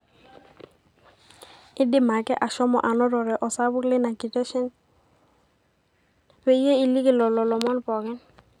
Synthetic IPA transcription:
ɪ˦dɪ˦ma˨kɛ˦ʔa˨ʃɔ˦mɔ̰˨ʔa˨nɔ˦ɾɔ˨ɾɛ˨ʔɔ˨sa˦βʊ˦klɪ˦na˨ki˨te˦ʃɛ˦n | we˦je˦i˨li˦kɪ˦˨lɔ˨lɔ˨lɔ˨mɔ˦npɔ˨kɛ˦n

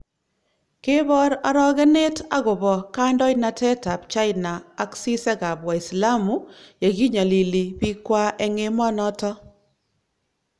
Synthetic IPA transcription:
ke˦bɔ˦ɾa˦ɾɔ˦ɣɛ˦ne˦ta˦ɣʊ˨bɔ˨ka˦ndɔ˦jna˨tɛ˦ta˨pt͡ʃa˦ɪnaː˨˦ksi˦sɛ˦ka˨bwa˨i˨sla˦mu˦ja˨ɡi˦ɲa˨li˨li˨bi˦kwa˦ʔɛ˦ŋe˦mɔ˦nɔ˦tɔ˦

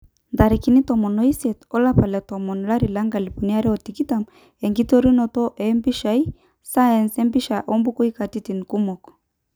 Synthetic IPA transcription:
nda˨ɾi˨ki˨˦ni˦tɔ˨mɔ˨nɔ˦i˦sɛ˨tɔ˦la˦pa˨lɛ˨tɔ˨mɔ˨nɔ˨la˦ɾi˨la˦ŋɡa˨li˨pu˨ni˦a˦ɾɛ˦ɔ˨ti˨ki˦ta˨m | ɛ˨ŋɡi˦tɔ˦ɾi˦nɔ˨tɔ˦ʔɛ˨˦mbi˦ʃa˨˦i˦ | sa˦e˨nsɛ˦mbi˦ʃa˨ʔɔ˦mbu˦kɔ˦i˦ka˨ti˦ti˨ni˨ku˦mɔ˨kɔ̥˨

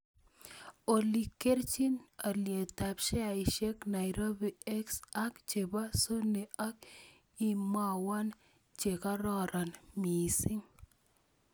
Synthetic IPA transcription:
o˨li˨kːe˦rt͡ʃi˦na˨lje˨ta˨pʃɛ˦a˨ɪ˨ʃɛ˦kna˨jɾo˦bi˨ɛ˦ksa˦kt͡ʃe˨ba˦so˦ne˨ʔa˦k | i˦˨ma˦wa˦n | t͡ʃe˨ka˦ɾɔ˦ɾʔa˨nmi˨si˦ŋ

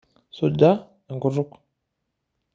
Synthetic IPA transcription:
su˨da˦ | ə˨ŋɡu˨ɾu˦k

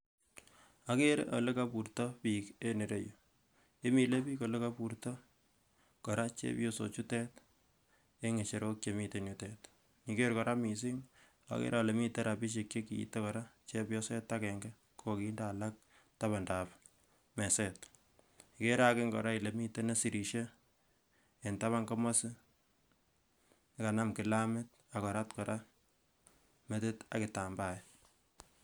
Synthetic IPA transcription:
a˨ke˦ɾḛʔo̰˨le˦ka˦pu˨ɾtɔ˦piː˨ke˦ne˨ɾḛ˦jo˨ | e˦mi˨le˦piː˦ko˨le˦ka˦pu˨ɾtɔ˦ | kɔ˨ɾa˦t͡ʃḛ˦pjo˦so̰˨t͡ʃu˦tɛ˦t | e˦ŋe˨t͡ʃe˨ɾo˦kt͡ʃe˨mi˨te˨njutet | ɲi˨ke˦ɾkɔ˨ɾa˦mi˨s̬ɪ˦ŋ | a̰˨kḛ˦ɾa˨le˨mi˦te˦ɾʔa˨pi˦ʃ̬e˨kt͡ʃe˦kḭ˨te˦kɔ˨ɾa˦t͡ʃe˦pjo˦sɛ˦tːa˦kɛ˨ŋɡɛ˦ | kʰo˦ki˦nda˦la˦k̚ | ta˦βa˨ndap | mɛ˨sɛt | ke˦ɾa˦kɪ˦ŋɡɔ˨ɾa˦i˨le˨mi˦te˦ne˦si˨ɾi˨ʃe˦ | e˨nta˦βa˦ŋkɔ˦ma˦sɪ˦ | nka˨na˦mkɪ˨lamɪ˦t̚ | a˨kɔ˨ɾa˦tkɔ˨ɾʔa˦ | me˦te˦ta̰˨kɪ˨ta˨mbajɛ

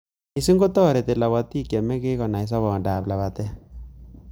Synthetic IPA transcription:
i˨si˦ŋɡo˦tɔː˦˨ɾe˨te˨la˨βa˨ti˦˨kja˨mɛ˦ke˦kɔ˨na˨i˨˦s̬ɔ˦βɔː˨ndaː˨pla˨βa˨tɛ˦

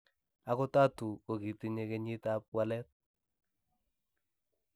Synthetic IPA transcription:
a˨kʊ˦ta˦tu˨ko˨ki˨ti˦ɲe˦kɛ˦ɲɪ˦ta˦p̚wa˦lɛ˦t̚

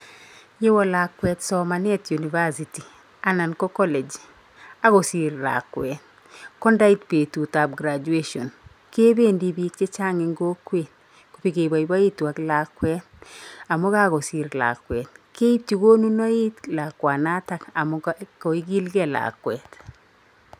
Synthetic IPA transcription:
je˦wɔ˦la˨kwɛ˨tsɔ˨ma˨nɛ˦tju˨ni˨va˦si˨ti˨ | a˨na˨nko˦kɔ˦lɛ˨d͡ʒ | a˦ɡo˨si˨ɾla̰kwɛ˨t | kɔ˦nda˦i˦tpe˨tu˨ta˨b̚ɡɾa˨d͡ʒu˨e˦ʃɔ̰˨n | ke˦be˦ndi˨bi˦ke˦t͡ʃa˦ŋi˨ŋɡo˦kwet | ko˨pi˨ke˨ba˨i˨ba˦i˦twa˨kla˨kːwɛ˦t̚a˨mo˦ka˦ɡo˨si˨ɾla̰˨kwɛ˨t̚ke˦i˦p̚ti˨ɡo˦nu˦no˦i˦tla˨kwa˨na˦ta˨ka˨mʊko˨i˦ɡi˦lɡɛ˦la̰kwɛ˨t

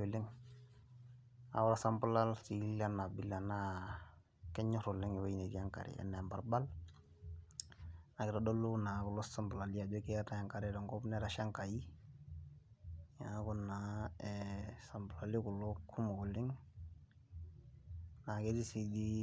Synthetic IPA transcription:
o˨lɪ˦ŋ | a̰˨wɔ˦ɾa˨sa˦mba˦la˦lsi˨˦la˦na˨bi˦la˨na˦ | kɛ˦ɲɔ˦ɾʊ˨lɪ˦ŋɛ˨wa˦i˨ne˨di˦a˦ŋka̰˨ɾḭ˨ɛ̰˦na˨mba˨ɾba˦l | na˨kɪ˨ɾa˦dɔ˦lu˦na˨kʊ˨lɔ˦sa˦mbla˨li˦ja˨d͡ʒɔ˦kɛ˦ta˦ja˨ŋka˨ɾɛ˦ɾɔ˨ŋɡɔ˦bnɛ˦ɾa˦ʃa˦ŋka˨ji˦ | ja˨˦ku˦naɛsa˨mbla˨li˦ku˨lɔkʰu˦mɔ˨kɔ˨lɪ˦ŋ | na˨ke˦di˦si˨di˦

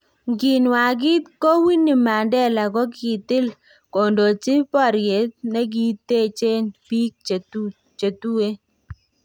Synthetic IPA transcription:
ɡi˨nwa˨ɡɪ˦t̪ko˦wi˦ni˨ma˨ndɛ˦la˨ɡɔ˦ki˨t̪ɪ˦l | ko˨ndo˨t͡ʃɪ˦pɔ˦˨ɾje˨˦t̪̚nɛ˦ɡi˦t̪e˦˨t͡ʃe˦nbi˦k̚t͡ʃe˨tu˦ | t͡ʃe˨t̪u˦e˦

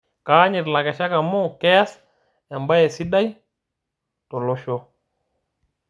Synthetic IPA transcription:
ka˨˦ɲɛ˨ɾla˨kɛ˨ʃa˦ka˨mɔ˦kɛ˦ja˦s | ɛ˨mba˦jɛ˨si˦ɗa˦j | tɔ˨lɔ˦ʃɔ˦

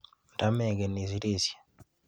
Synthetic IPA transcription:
nta˦mɛ˨ɡɛ˨ni˨si˨˦ɾi˦sjḁ˨

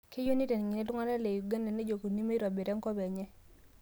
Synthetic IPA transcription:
ke˦jo˦ni˦tɛ˨n˨ŋi˨nɛ˦dŋa˦ɾa˦le˨ju˨ɡa˦ndɛ˨ne˦d͡ʒo˨ko˨ni˦me˦i˦ɾɔ˨be˨ɾɛ˦ŋkɔ˦bɛ˨ɲɛ˦

